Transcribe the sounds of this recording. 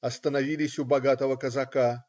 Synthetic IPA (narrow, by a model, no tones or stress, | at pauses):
ɐst̪ənɐvʲilʲɪsʲʊbɐɡat̪əvəkəzaka